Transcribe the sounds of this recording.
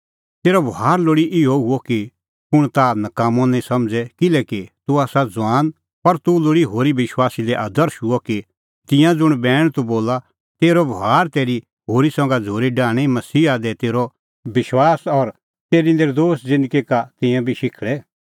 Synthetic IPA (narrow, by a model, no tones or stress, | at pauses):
t̪eːɾɔbʱaːɾloːɽiʔɪɔɦʊɔki | pʊɽ̃t̪anɐkaːmɔ̃nɛ̃sɐ̃md͡zɛkɪlɛkit̪uaːsad͡zʋãːn | pɐɾt̪uloːɽiɦoːɾibɪʃwaːsilɛʔaːd̪əɾʃuɔki | t̪ɪ̃jãd͡zʊɽ̃bɛːɽ̃t̪uboːla | t̪eːɾɔbʱɦaːɾt̪eːɾi | ɦoːɾisɔ̃ːŋɡad͡zʱoːɾiɖãːɽ̃imɐsiːad̪ɛt̪eːɾɔ | bɪʃwaːsɔɾ | t̪eːɾind̪eːɾd̪oːsd͡zɪ̃nd̪ɡikat̪ɪ̃jãbʱiʃɪkʰɭɛ